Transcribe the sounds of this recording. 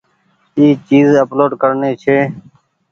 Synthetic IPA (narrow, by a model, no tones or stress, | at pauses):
iːt͡ʃiːzəploːɖkəɾneːt͡ʃʰeː